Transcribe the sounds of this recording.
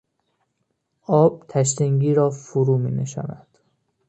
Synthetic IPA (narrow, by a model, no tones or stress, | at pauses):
ʔɒːb̥̚t̪ʰæʃ̬t̪eŋɟiːɾɒːfoɾuːmḭːneʃɒ̰ːnæd̪̥